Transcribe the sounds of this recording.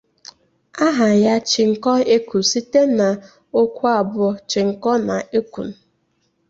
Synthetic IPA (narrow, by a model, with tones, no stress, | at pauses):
a˦ɦa˨ja˦t͡ʃɪ˨ŋ̩˨kɔ˦e˦ku˨si˦te˦na˨ | o˦kʷu˦a˦˨bʊ˦t͡ʃɪ˨ŋ̩˨kɔ˦na˨e˦kʷṵ˨n̩˨